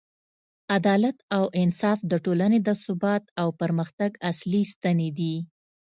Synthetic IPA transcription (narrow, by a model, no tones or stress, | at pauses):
ad̪ɑlat̪awʔɪnsɑfd̪əʈolaned̪əsʊbɑt̪awpəɾməxt̪aɡaslist̪aned̪i